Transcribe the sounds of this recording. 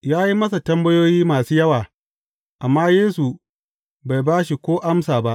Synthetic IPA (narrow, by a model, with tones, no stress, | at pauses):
jaː˦ji˦mɐ˦s̬a˨tɐ˦mbɐ˦joː˦jiː˦maː˨suː˦jɐ˦waː˨ | ʔa˨mːaː˦jeː˦su˨ | ba˨jbaː˦ʃ̬i˨kʷoː˦ʔa˦msaː˨ba˦ʔ